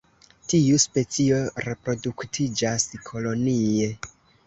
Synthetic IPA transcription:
tiuspe̞t͡sio̞ɾe̞pɾo̞duktʰid͡ʒaskʰo̞lo̞nie̞

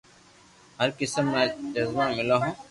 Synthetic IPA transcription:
ɦɐɾkɪsəmːẽd͡ʒɐzmamɪlaɦõː

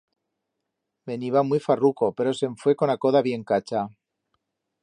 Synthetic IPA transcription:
be̞niβamwjfaruko̞pe̞ɾo̞se̞ɱfwe̞ko̞nako̞ðaβje̞ŋkat͡ʃa

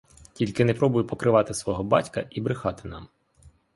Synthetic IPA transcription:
tʲilʲkɪnepɾɔbʊjʊpɔkɾɪʋɑt̪ɪsʋɔɦɔbɑ̰tʲkɐʔibɾɪxɑt̪ɪ̥nɑ̰m

